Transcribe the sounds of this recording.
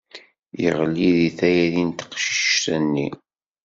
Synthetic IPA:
jə̰ʁlːiðiθæjæðint̪ə̥qʃi̥ʃʃθænːḭ

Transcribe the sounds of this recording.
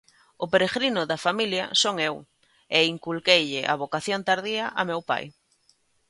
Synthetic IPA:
ʊpeɾeɣɾinʊðafamiljɐ̰soŋew | eiŋkulkejʎɪʔa̰βokaθjont̪aɾðiɐʔamewpa̰j

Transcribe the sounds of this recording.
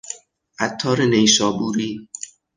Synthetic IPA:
ʔæt̪ʰːɒːɾenejʃɒːbuːɾiː

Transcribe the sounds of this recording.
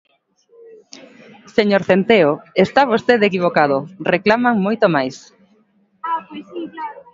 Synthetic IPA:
seɲoɾθent̪eoest̪aβ̞ost̪eðekiβ̞okaðoreklamaŋmojt̪omajs

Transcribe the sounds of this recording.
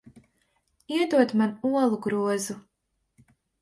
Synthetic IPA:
iɛd̪uɔt̪manuɔlˠuɡɾuɔzu

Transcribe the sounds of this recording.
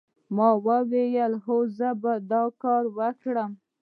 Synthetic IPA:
mɑwəwejəlɦozəbad̪ɑkɑɾwəkɽəm

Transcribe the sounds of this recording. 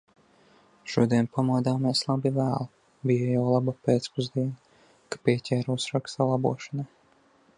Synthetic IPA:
ʃuɔd̪iɛnpamuɔd̪aːmiɛslˠabivæːlˠ | bijajawlˠabapeːt̪spuzd̪iɛn | kḁpiɛcʲɛːɾusɾakst̪alˠabṵɔʃɔnaj

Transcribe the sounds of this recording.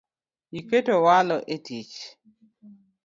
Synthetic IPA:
jiketowalɔʔetit͡ʃ

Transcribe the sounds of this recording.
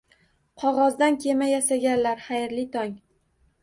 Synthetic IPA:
qʰɒʁɒzd̪ankʲʰe̞majasaɡʲanlaɾχajɾlɪt̪ʰɒŋ

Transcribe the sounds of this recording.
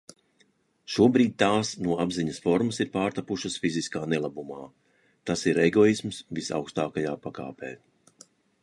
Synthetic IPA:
ʃuɔbɾiːd̪̚ʲt̪aːsnuɔabziɲɐsfɔɾmɐsiɾpaːɾt̪apuʃɨsfiziskaːnɛlˠabumaː | t̪asiɾɛɡɔismsvisa̰wkst̪aːkajaːpaka̰ːpɛ̰ː

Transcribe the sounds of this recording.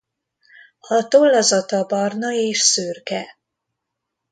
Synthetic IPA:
ɒt̪olːɒzɒt̪ɒbɒrnɒeːʃsørkɛ

